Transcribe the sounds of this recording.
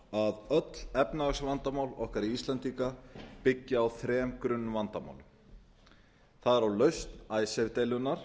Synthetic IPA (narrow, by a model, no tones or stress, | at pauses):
aðœt̪l̥ɛpnasvant̪amaːwlɔhkaɾiist̪lant̪iːkapɪcːɪawθɾɛːmkɾʏnːvant̪ama̰wlʏm | θaðɛɾawlœɥst̪naːjsɛvt̪ejlʏnːaɾ̥